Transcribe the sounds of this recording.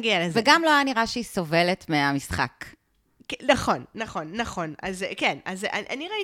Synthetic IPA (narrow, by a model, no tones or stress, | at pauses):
ɡialezveɡamloajaniʁaʃeiso̞ve̞le̞tmeamisχa̰k | naχo̞nːaχo̞nːaχo̞nazkenaza̰ʔaniʁai